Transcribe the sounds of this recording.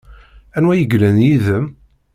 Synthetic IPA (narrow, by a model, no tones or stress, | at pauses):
ænwæjəɡlænjiðəm